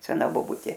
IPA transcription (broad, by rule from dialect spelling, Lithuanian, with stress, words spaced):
sʲɛˈnɐ boːˈbʊtʲeː